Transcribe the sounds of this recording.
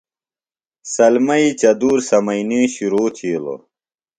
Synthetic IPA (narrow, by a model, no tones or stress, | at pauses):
sɐlmɐit͡ɕɐd̪uːɾsɐmɐinĩɕuɾoːt̪ʰiːlo̰